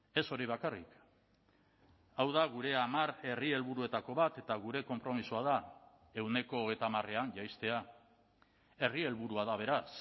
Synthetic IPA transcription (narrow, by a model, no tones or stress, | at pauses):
e̞so̞ɾiβakarḭk | awð̞aɣuɾe̞amaɾe̞rie̞lβuɾue̞t̪ako̞βat̪e̞t̪aɣ̞uɾe̞ko̞mpɾo̞misuað̞a | e̞wne̞ko̞ːɣejt̪amare̞anʝajst̪e̞a | e̞rie̞lβuɾuaðaβ̞e̞ɾas